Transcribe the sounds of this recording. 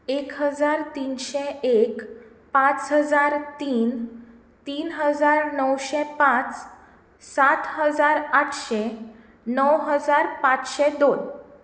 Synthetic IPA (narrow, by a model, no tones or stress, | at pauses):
ekɦəd͡zaɾt̪inɕɛek | pãt͡sɦəd͡zaɾt̪iːn | t̪iːnɦəd͡zaɾnəwɕɛpãt͡s | sat̪həd͡zaɾaʈʰɕe | nəwɦəd͡zaɾpat͡sɕed̪on